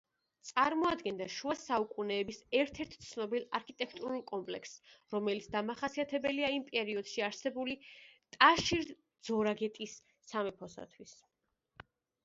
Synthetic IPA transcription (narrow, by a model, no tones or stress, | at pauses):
t̪sʼaɾmɔad̪ɡɛnd̪aʃuasaukʼunɛːbisɛɾt̪ʰɛɾt̪ʰt̪sʰnɔbilˠaɾkʰit̪ʼɛkʰt̪ʼuɾulˠkʼɔmpʼlɛksɾɔmɛlit̪sd̪amaχasiat̪ʰɛbɛliaimpʼɛɾiɔd̪̥ʃiaɾsɛbulit̪ʼaʃiɾ | d̪z̥ɔɾaɡɛt̪ʼisː | amɛpʰɔsa̰t̪ʰwis